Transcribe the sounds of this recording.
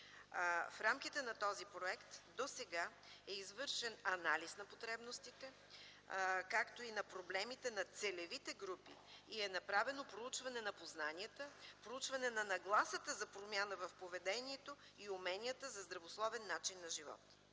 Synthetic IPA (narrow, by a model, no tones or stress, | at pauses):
fɾamk̟it̪ɛnɐt̪ɔzipɾoɛkt̪d̪osɛɡa | ɛizvɤɾʃɛnɐnalisnɐpot̪ɾɛbnost̪it̪ɛ | kakt̪oinɐpɾoblɛmit̪ɛnɐt̪sɛlɛvit̪ɛɡɾupḭiɛnɐpɾavɛnopɾout͡ʃvɐnɛnɐpoznaniət̪əpɾout͡ʃvɐnɛnɐnɐɡlˠasət̪əzɐpɾomʲjanəvɐfpovɛd̪ɛniɛt̪o | iumɛnʲijət̪əzɐzd̪ɾɐvoslˠɔvɛnːat͡ʃinːɐʒivɔ̰t̪